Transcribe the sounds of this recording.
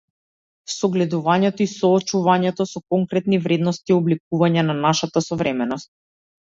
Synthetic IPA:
sɔɡlɛd̪uvaɲɛt̪ɔisɔːt͡ʃuvaɲɛt̪ɔsɔkɔŋkɾɛt̪nivɾɛd̪nɔst̪iɔblik̚uvaɲɛnanaʃat̪asɔvɾɛmɛnɔst̪̚

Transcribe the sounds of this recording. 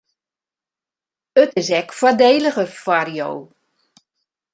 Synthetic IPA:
ətɪsɛkfwɔdeːləɣəfarjo̰w

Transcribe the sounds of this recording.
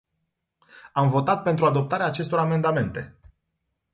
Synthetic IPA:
amvo̞t̪at̪̚pent̪ɾuad̪o̞p̚t̪aɾeaːt͡ʃe̞st̪o̞ɾame̞nd̪ame̞nt̪e̞

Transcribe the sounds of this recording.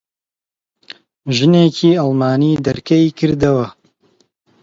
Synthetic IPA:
ʒɨneːciːalˠmaːniːd̪ɐɾkɐikʰɨɾd̪ɐwɐ

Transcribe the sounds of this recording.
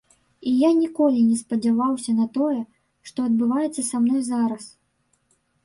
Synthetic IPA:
ijanʲikɔlʲinʲɛspɐd͡zʲavawsʲɐnɐt̪ɔjɛ | ʂt̪ɔɐd̪̚bɨvajɛt̪sːɐsamnɔjzaɾɐs

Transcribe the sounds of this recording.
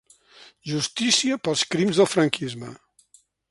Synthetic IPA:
ʒust̪isiəpəlˠskɾimzðəlˠfɾəŋkizmə̰

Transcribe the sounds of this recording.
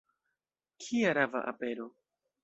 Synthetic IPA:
kʰiaɾava̰ʔa̰peɾo

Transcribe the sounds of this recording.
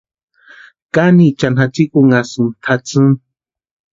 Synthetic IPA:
kanit͡ʃanat͡sikuŋasɨnt̪ʰat͡sɨn

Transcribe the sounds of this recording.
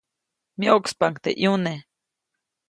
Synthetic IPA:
miokspaŋkt̪ḛʔjune

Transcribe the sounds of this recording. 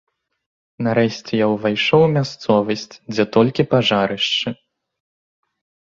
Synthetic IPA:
naɾɛɕʲt͡sʲɛjawvajʂɔwmʲast̪sɔvɐsʲt͡sʲd͡zʲɛt̪ɔlʲkʲipaʐaɾɨʂt͡ʂɨ

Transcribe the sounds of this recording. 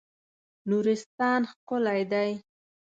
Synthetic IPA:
nuɾɪst̪ɑnxkʊlajd̪aj

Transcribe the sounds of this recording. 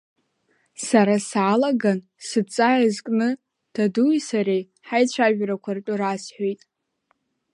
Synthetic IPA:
saɾasalaɡan | sɨt͡sʼajazkʼnɨ | d̥adujsaɾej | ħajt͡ɕʷʰaʒᶣrakʷʰartʷʼʊɾasħʷᶣojtʼ

